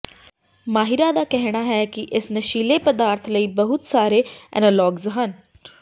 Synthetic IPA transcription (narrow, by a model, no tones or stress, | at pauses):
maːɦiɾad̪akɛɦɽ̃aɦɛkiʔesnəɕiːlepəd̪aːɾt̪ʰləiːbəɦut̪saːɾeɛ̰nəlɔːɡzɦən